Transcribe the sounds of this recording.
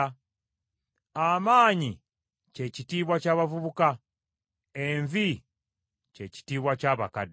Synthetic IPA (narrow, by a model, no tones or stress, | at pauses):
amaːɲi | ce̞citiːβwacaːβavuβuka | eɱvi | ceci̥tiːβwacaːβakad